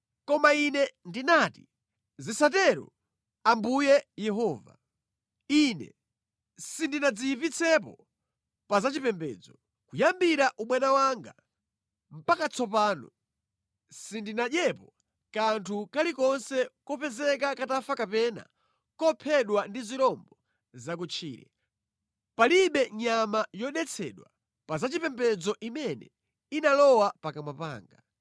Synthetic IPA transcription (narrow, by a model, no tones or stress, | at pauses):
kɔmainɛndinati | zisat̬ɛɾṵ | ambujɛjɛɦɔːva̰ | inɛ̰ | sindinad͡zipit͡sʰɛpɔ̰ | pazat͡ʃipɛmbɛ̰ːd͡zɔ | kujambiɾaʔuɓwɛnawaŋɡa̰ | m̩pakat͡sʰɔpaːnɔ | sindinaʄjɛpɔ | kantʰukalikɔnsɛkɔpɛzɛk̬akatafakapɛna̰ | kɔpʰɛɗwandiziɾɔmbɔ | zak̬ut͡ʃʰḭːɾɛ̰ | paliɓɛɲamajɔɗɛt͡sʰɛ̰ɗwa | pazat͡ʃipɛmbɛd͡zɔʔimɛnɛ̰ | inalɔwapakamwapa̰ːŋɡa